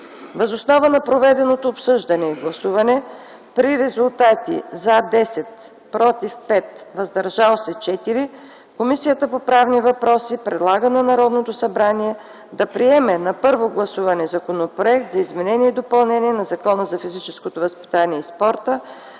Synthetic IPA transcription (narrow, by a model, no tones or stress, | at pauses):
vɐzosnɔvənɐpɾovɛd̪ɛnot̪oːpsɤʒd̪ɐnɛiɡlˠɐsuvɐnɛ | pɾiɾɛzulˠt̪at̪ḭzad̪ɛsɛt̪ | pɾɔt̪ifpɛt̪vɐzd̪ɐɾʒalˠsɛt͡ʃɛt̪iɾi | komisijət̪əpopɾavnivɐpɾɔsipɾɛd̪lˠaɡənɐnɐɾɔd̪not̪osɐbɾaniɛ | d̪ɐpɾiɛmɛnɐpɤɾvoɡlˠɐsuvɐnɛzɐkonopɾoɛk̚t̪zɐizmɛnɛniɛid̪opɐlˠnɛniɛnɐzɐkɔnəzɐfizit͡ʃɛskot̪ovəspi̥t̪aniɛispɔɾt̪ə